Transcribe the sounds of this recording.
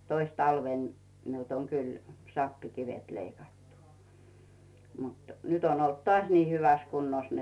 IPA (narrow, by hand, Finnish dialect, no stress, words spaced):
tois tɑlʋeˑn miult oŋ kyl sɑpːikiʋet leikɑtːu mut nyt on olt toɑˑsʲ niː hyʋæs kunːos